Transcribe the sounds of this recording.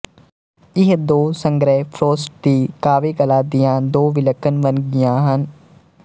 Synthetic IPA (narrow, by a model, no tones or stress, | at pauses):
ɪɦd̪oːsə̃ŋɡɾeːpʰɾoːsʈ̚d̪iːkaːʋiːkəlaːd̪ɪjãːd̪oːʋɪləkːənʋənɡɪjãːɦən